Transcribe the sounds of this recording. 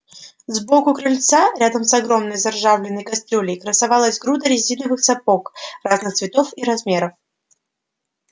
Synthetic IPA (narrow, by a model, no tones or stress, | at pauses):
zbo̞kʊkɾɨlʲt̪saɾʲad̪əmsɐɡɾo̞mnəjzɐrʐavlʲɪnːəjkɐsʲt̪ʲɾʲolʲɪjkɾəsɐvalˠəszʲɡɾud̪əɾʲɪzʲinəvɨxsɐpo̞kraznɨxt̪svʲɪt̪o̞fiɾɐzmʲe̞ɾəf